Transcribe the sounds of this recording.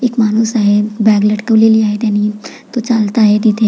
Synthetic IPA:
ɪkmaːnusaɦebɛːɡləʈkəleliaːet̪ɛnit̪ot͡ʃalt̪aɦɛd̪it̪e

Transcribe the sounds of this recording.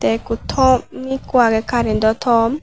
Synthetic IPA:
t̪ɛkut̪ʰɔmikwaɡɛkaɾind̪ɔt̪ʰɔm

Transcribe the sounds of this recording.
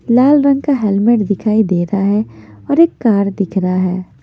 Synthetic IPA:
laːlɾɐ̃ŋɡ̚kaɦɛlmeʈd̪ɪkʰaːid̪eːɾaɦɛɔːɾeːkːaːɾd̪ɪkʰɾaɦɛː

